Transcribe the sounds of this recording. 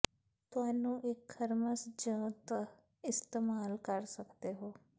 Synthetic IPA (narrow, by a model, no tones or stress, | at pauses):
t̪ʊaːnũːʔɪkʰːəɾməsd͡ʒə̃ːt̪ | ɪst̪eːmaːlkəɾsəkd̪eːɦoː